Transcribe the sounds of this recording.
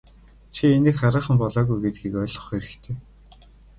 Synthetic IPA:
t͡ɕʰienɘ̆kχaɾaːχə̆mpɔɮɔːɣujɡet̪̚ɡiːkœːɮɞ̥̆χeɾɘ̆kt̪ʰeː

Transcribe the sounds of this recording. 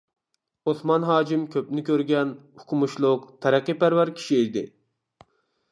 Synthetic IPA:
osmɑnɦɑːkimkʲʰøpnɪkʲʰøɾɡʲɛnhukʰʊmuʃlˠʊqt̪ʰæɾæqːɨpæɾvæɾkʲʰi̥ʃiid̪ɪ̰

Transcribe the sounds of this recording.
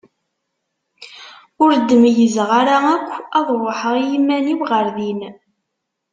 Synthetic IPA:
ʊɾd̪ːəmjəzʁaɾaækʷːɑðˤɾˤoħəʁijimːænibʁəɾðin

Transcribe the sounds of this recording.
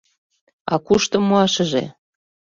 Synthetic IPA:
ɑ̰kuʃt̪ŏmoɑʃɤ̆ʒḛ

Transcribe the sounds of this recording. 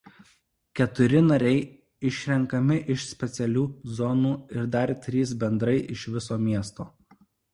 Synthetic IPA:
kʲɛt̪ʊɾʲɪnɐɾʲɛɪ | ɪʃʲɾʲɛŋkɐmʲɪʔɪʃsʲpʲɛt̪sʲɛlʲuːzɔnuːɪɾd̪ɐɾʲt̪ʲɾʲiːsbʲɛnd̪ɾɐɪʔɪʃʋʲɪsoːmʲiɛst̪oː

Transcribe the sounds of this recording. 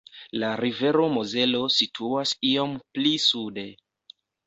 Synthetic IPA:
laɾive̞ɾo̞mo̞ze̞lo̞sitʰuasiomplisude̞

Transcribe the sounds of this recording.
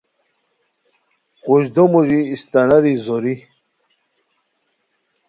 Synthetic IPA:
quɕd̪omuʑiːst̪ɐnaɾizoɾi

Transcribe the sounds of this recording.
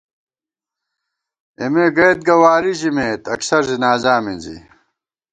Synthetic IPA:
emeɡɐjt̪̚ɡɐwaːɾiʑimeːt̪ɐksɐɾzinaːzaːminzḭ

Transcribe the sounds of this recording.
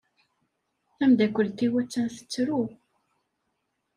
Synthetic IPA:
θæmd̪ækʷːəlt̪ːiwæt͡sːænθə̥t͡sːɾu

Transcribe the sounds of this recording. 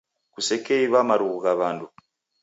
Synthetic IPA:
kusekeiβaːmaɾuɣuɡaβaːndu

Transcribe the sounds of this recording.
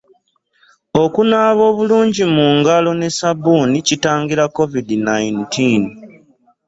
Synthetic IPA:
o̞kunaːβo̞ːβuluːɲɟimuːŋɡalo̞ne̞sabuːnicitaːŋɡiɾako̞vidinajintin

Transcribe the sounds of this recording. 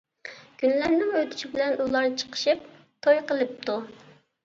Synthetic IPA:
kʲʰynlæɾnɪŋøt̪ʰy̥ʃɪbɪlɛnulˠɑɾt͡ʃʰə̥qʰə̥ʃɨp̚ | t̪ʰojqəlˠɨp̚t̪ʰu

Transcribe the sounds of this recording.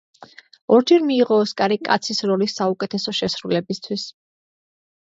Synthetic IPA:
ɔɾd͡ʒɛɾmiːʁɔːskʼaɾikʼa̰t̪sʰisɾɔlisːaukʼɛt̪ʰɛsɔʃɛsɾulɛbist̪ʰwis

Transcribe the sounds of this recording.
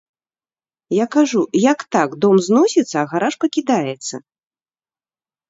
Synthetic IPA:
jakaʐujakt̪aɡd̪ɔmznɔsʲit̪sːɐːɣaɾaʂpɐkʲid̪ajɛt̪sːɐ

